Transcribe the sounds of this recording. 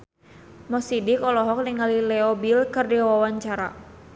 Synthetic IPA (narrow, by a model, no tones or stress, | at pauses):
mɔsidikɔlɔɦɔk̚niŋalilɛɔbilkɨrdiwawawaɲt͡ʃaɾa̰